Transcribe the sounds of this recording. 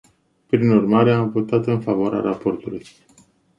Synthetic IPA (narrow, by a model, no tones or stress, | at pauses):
pɾinurmaɾe̞amvo̞t̪at̪ɨnfavoaɾea̰ɾapo̞rt̪uluj